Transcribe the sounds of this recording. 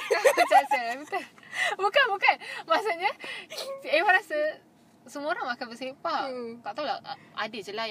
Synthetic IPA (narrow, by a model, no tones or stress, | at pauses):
at͡ʃat͡ʃaabit̪abukanbukanmasuʔɲa | emaɾasa | səmoɾaŋakanbəsepat̪aʔt̪aulaadəd͡ʒəla